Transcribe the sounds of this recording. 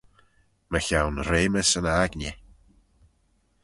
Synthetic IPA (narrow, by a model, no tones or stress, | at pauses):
məçawnɾeːməsənaɡnʲɪ